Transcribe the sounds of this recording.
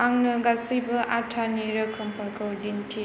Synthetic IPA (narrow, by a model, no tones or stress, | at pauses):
aŋnɯɡasibɯʔatʰaniɾɐkʰɯmpʰɐɾkʰɐwdintʰi